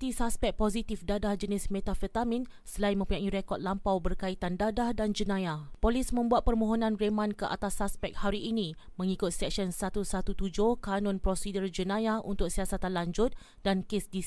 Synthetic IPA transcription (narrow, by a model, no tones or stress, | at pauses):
t̪isaspɛk̚posit̪ifdadahd͡ʒənɪsmẽt̪afət̪amĩn | səlaimə̃mpuɲãiɾekɔt̪̚lampawbərkait̪andadahdand͡ʒənãjapolismə̃mbuat̪̚pərmõɦonãnremãnkəʔa̰t̪asaspɛk̚haɾiʔːnĩ | mə̃ŋikʊt̪̚sɛk̚ʃənsat̪usat̪ut̪ud͡ʒʊhkanɔ̃npɾosidərd͡ʒənãjaunt̪ʊk̚siasat̪anlaɲd͡ʒʊt̪̚ | dankesdi